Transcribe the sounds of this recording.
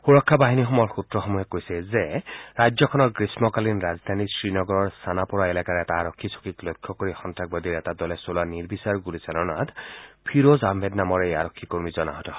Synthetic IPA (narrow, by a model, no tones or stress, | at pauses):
xuɹɔkʰːabaɦinixɔmɔɹxutɹɔxɔmuɦɛkojsɛzeɹajd͡ʒzɔkʰɔnɔkɹismɔkalinɹazd̪ʱanisɹinɔɡɔɹɔɹsanapɔɹaelakaɹɛtaːɹɔkʰːiso̥kiklojkʰːɔkoɹixɔntak̚bɔd̪iɾɛtad̪ɔlɛsolaniɹbisaɹɡulisalɔnat̪pʰiɾozambʱetnamɔɹejaɾɔkʰːikoɹmizɔna̰ɦɔtɔ